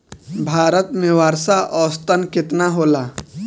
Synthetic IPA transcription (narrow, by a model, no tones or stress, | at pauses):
bʱaːɾət̪mẽwaːɾsaʔɔːst̪ənkɪt̪naɦoːlaː